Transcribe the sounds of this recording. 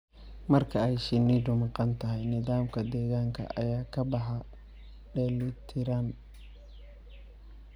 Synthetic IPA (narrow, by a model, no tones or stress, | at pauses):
mɐrkʰɐɛjʃɪnːiːɖʊmɑqɑnt̪ʰɐɦɛjnɪðaːmkʰɐd̪ɛːɣaːŋkʰɐ̰ʔɐ̰jaːkʰɐbɐɦɐ | ɖɛːlɪt̪ʰɪɾaːn